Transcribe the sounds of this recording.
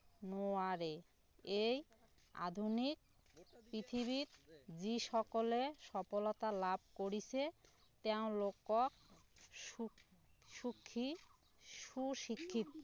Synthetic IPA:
noaɾe | ej | a̰d̪ʱunik̚ | pɾit̪ʰiβit̪d͡ʑiʃɔkoleʃɔpolot̪alab̚ʱkoɾit͡ɕʰet̪ɛõlokok̚ | ʃukʰːi | ʃuʃikʰːit̪

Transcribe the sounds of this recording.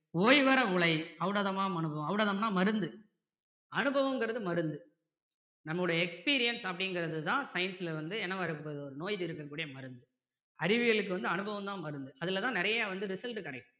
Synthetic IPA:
oːjʋɐɾɐʊɭɐɪɐʋɯɽɐðɐmaːmɐnɯbʱɐʋɐ̃ɐʋɯɽɐːðɐmnaːmɐɾɯnd̪ɯ | ɐnɯbɐʋɐ̃mŋɡɯɾɐðɯmɐɾɯnd̪ɯ | nɐmːɐɭɯɽɐjɐɛkspiːɾɪjɐnsɐpːɐɽɪŋɡɪɾɐðɯt̪ãːsɐɪnsɪlɐʋɐnd̪ɯɛnɐʋɐɾɯpːɐðɯɔɾɯnoːjt̪ɪɾɯkːɐkːuːɽɪjɐmɐɾɯnd̪ɯ | ɐɾɪʋɪɣɐɭɯkːɯʋɐnd̪ɯɐnɯbɐʋɐmt̪ãːmɐɾɯnd̪ɯʔɐðɪlɐt̪ãːnɪɾɐjɐaːʋɐnd̪ɯɾɪsɐlʈkɐɽɐɪkːɯ̃

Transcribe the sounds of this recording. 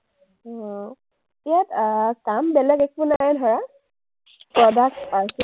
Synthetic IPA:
ɔ | ijatkambɛlɛɡɛk̚bʊnaɛdʱɔɹa | pɹɔdak̚paɹs

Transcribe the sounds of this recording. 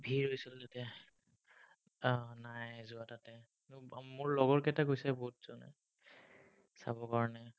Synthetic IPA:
bʱiɹɦojsiltatɛ | najzʊatatɛ | nmʊɹlɔɡɔɹkɛtakojsɛboɦutz̥ɔnɛ̰ | sa̰bɔkaɹɔnɛ

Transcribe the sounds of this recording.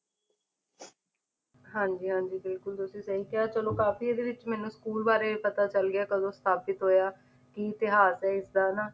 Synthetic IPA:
ɦãːɲd͡ʒiːɦãːɲd͡ʒiːbɪlkʊlt̪ʊsĩːsəɦiːkaːt͡ʃəlõːkaːfiːeːd̪eːʋɪt͡ʃmɛːnũːskuːlbaːɾeːpət̪aːt͡ʃəlɡɪaːkəd̪õːst̪ʰaːpɪt̪ɦoːjaː | kɪɪt̪ɪɦaːsɛːɪsd̪aːnaː

